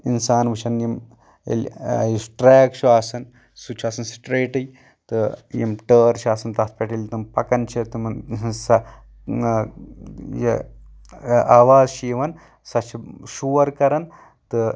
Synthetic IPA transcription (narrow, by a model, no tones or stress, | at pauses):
insaːnʋɐt͡ʃʰɐnjim | ḛlʲjisʈɾeːkʃʰuaːsɐn | sut͡ʃʰaːsɐnsi̥ʈɾeːʈɨj | t̪ɨjimʈəːɾt͡ʃʰaːsɐnt̪ɐt̪pʲeʈelʲt̪umpɐkɐnt͡ʃʰit̪umnsɐ | je | aːʋaːzʃiiʋɐn | sɐt͡ʃʰiʃuːɐɾkɐɾɐn | t̪ɨ